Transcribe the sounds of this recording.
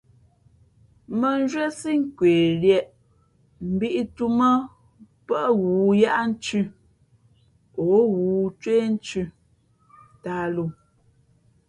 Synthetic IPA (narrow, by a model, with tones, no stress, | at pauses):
mə˨n˦d͡ʒɥɛ˦si˦ŋ̩˦kweː˨ljɛ˨ʔ | m̩˨bi˦ʔi˦tu˦mə˦ | pə˦ʔɣuː˨ja˦ʔa˦n̩˦t͡ʃʉ˦˨ | o˨˦ɣuː˨˦t͡ʃweː˦n̩˦t͡ʃʉ˦ | ta˦lo˦˨